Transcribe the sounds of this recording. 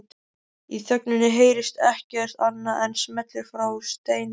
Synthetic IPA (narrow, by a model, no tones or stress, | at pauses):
iθœknʏnːɪɦeːjɾɪst̪ɛhcɛr̥t̪anːaʔɛnsmɛt̪lɪɾfɾawst̪eːjn